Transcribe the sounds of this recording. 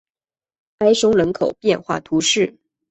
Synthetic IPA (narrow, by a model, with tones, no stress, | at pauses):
a˥ɪʂʊ˥ŋlə˧˥nkʰo˨˩ʊpjɛ˥˧nxwa̰˥˩t̪ʰu˧˥ʂɻ̩˥˩